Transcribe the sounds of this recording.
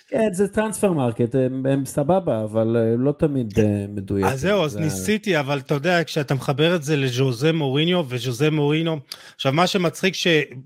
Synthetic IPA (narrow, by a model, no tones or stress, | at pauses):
kenzet̪ʁansfeʁmaʁket̪ememsababaːvalːo̞t̪amid̪emed̪uja̰azzːe̞uaznisit̪iavalt̪ajod̪eakʃeat̪ameχabe̞ʁetzeleʒozemo̞ʁinjo̞veʒozemoʁino̞aχʃavmaʃemat͡sχikʃe̞